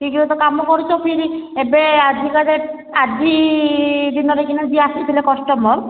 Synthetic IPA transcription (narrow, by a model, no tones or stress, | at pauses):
t̪ikilet̪ɔkamɔkɔɾut͡ʃʰɔpʰiɾiebead̪ʱikaɾe | ad͡ʒi | d̪inɔɾekinɔd͡ʒiasit̪ʰilekɔsʈɔmɔɾ